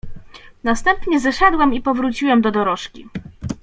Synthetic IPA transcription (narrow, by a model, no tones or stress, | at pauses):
nast̪ɛmpɲɛzɛʂɛd̪wɛmipɔvɾut͡ɕiwɛmd̪ɔd̪ɔɾɔʂkʲḭ